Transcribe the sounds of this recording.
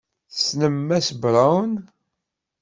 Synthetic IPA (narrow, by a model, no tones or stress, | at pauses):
snəmːæsbɾˤawn